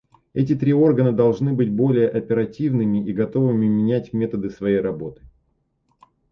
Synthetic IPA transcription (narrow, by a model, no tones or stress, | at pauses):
ɛt̬ʲɪt̪ɾʲio̞rɡənəd̪ɐlˠʐnɨbɨtʲbo̞lʲɪjəʔɐpʲɪɾɐtʲivnɨmʲɪʔiɡɐt̪o̞vɨmʲɪmʲɪnʲætʲmʲe̞t̪əd̪ɨsvɐjejɾɐbo̞t̪ɨ̥